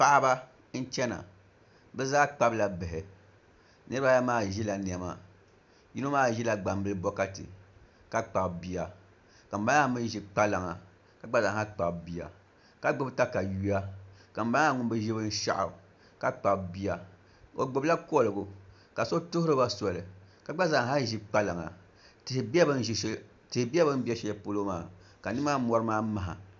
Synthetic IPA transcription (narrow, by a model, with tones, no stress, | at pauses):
pa˦ʔba˦ | n̩˦t͡ʃɛ˦na̰˨ | bɛ˦zaː˦k͡pa˦bla˨bɛ˨ɦɛ˨ | nɨ˦ɾɨ˦ba˦ja˦maː˦ʒi˦la˨ni˨ɛ˨ma̰˨ | ji˦no˦maː˦ʒi˦la˦˨ɡ͡ba˨m˦bɨ˦lɨ˦bɔ˦ka˦tɨ̰˨ | ka˦k͡pa˨bbi˦a˨ | ka˨m̩˨ba˦a˦mɨ˦n˦ʒi˦k͡pa˦la˨ŋa˨ | ka˨k͡pa˦la˨˦a˦k͡pa˨bbi˨a̰˨ | ka˨ɡ͡bʊ˦bta˦ka˨ju˦a˦ka˨m̩˦ba˦a˦ŋu˦mbɨ˦ʒi˦bɨ˦n̩˦ʃa̰˦ʔa̰˨ | ka˦k͡pa˨bbi˦a˨ | o˨ɡ͡bʊ˦bla˦ko˦˨lɨ˨ɡu˨ | ka˨so˦tʊ˦hʊ˦ɾɨ˦ba˦sɔ˨lɨ˨ka˨ɡ͡ba˦za˨ŋ˨ha˦ʒi˦k͡pa˦la˨ŋa̰˨ | tɪ˨hɪ˨ba˦bɨ˦n˦ʒi˨˦ | tɪ˨hbi˦a˦bɨ˦m˦bi˦a˦ʃɛ˦ɛ˦po˦lo˦maː˨ | ka˨nɨ˦ma˦mɔ˦ɾɨ˦maː˦ma˨ɦa̰˨